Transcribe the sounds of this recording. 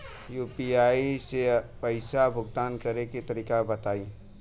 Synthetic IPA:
jupiaisepəɪsabʱʊɡ̚t̪aːnkəɾekit̪əɾiːkabət̪aːi

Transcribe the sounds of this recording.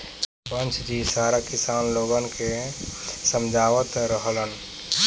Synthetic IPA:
pə̃nt͡ʃʰd̪isaːɾakɪsaːnloːɡənke | səmd͡ʒʱaːʋət̪ɾəɦlən

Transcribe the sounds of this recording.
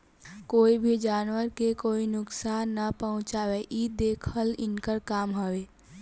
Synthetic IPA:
koːibʱid͡ʒaːnwəɾkekoːinʊksaːnːəpəɦʊ̃t͡ʃaːweʔid̪eːkʰəlɪnkəɾkaːmɦəwe

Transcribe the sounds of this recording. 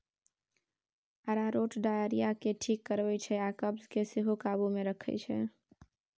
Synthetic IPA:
əɾaɾoʈɖajəɾijakeʈʰikːəɾʋɛt͡ʃʰɛakəbzkesɪɦukabumeɾəkʰɛ̰t͡ʃʰɛ̰

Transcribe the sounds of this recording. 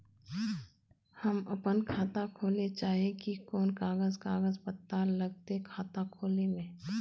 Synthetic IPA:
hɐmɐpənkʰaːt̪akʰoːlet͡ʃaːɦiẽkikoːnkaːɡəzkaːɡəzpət̪ːaːlɐɡ̚t̪ekʰaːt̪akʰoːlemẽː

